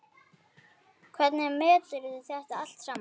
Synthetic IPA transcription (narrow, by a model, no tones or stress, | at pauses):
kʰvɛt̪nɛmɛːt̪lɪɾɪðʏθjɛr̥t̪aal̥t̪sɾaːm